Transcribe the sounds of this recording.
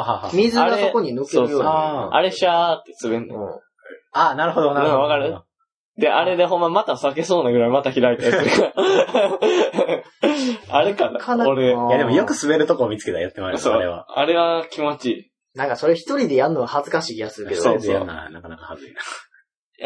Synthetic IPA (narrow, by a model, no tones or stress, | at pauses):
hamʲizɨaɾaesoko̞ɲ̟inɯkskeoːɯjoːʔa̰ɾe̞ɕat̪ːesɨβenːḛ̃ | anaɾɯ̟ɦod̪onaãkaβakaɾɯ | d̪eʔaɾe̞d̪e̞ɦõ̞mːamat̪asake̞so̞ːnaɡɯ̟ɾaimat̪açiɾait̪aka | aɾekanaanoɾejad̪emojokɯ̟sɨbe̞ɾɯ̟t̪o̞koːmʲit͡sɨ̥ke̞t̪ajat̪ːemasssoɾeβa̰aɾe̞βakʲʰimo̞t͡ɕiː | nãŋkaso̞ɾeçi̥t̪o̞ɾʲid̪e̞jaɯnoɡahazɨkaɕiːijasɨikedso̰ːa̰nakanakahazɨina | ja̰